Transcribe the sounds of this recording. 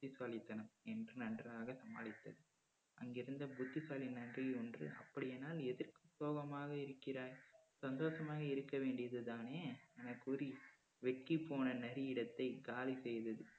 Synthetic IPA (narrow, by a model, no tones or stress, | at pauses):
bʊt̪ːɪsaːlɪt̪ːɐnɐmɛndrɯnɐndraːɣɐsɐmaːlɪt̪ːɐðɯ | ʔɐŋɡɪɾɯnd̪ɐbʊt̪ːɪsaːlinɐndrɪɔndrɯ̰ʔɐ̰pːɐɽɪjeːnaːlɛðɪrkɯsoːɣɐmaːɣɐɪɾɯkːɪɾaːɾsɐnd̪oːʂɐmaːɣɐɪɾɯkːɐʋeːɳɖɪjɐðɯðaːneːɛnɐkːɔɾi | ʋɛʈ̚kipːoːnɐnɛɾɪɪɽɐt̪ːɐɪɡaːlisɛjðɐðɯ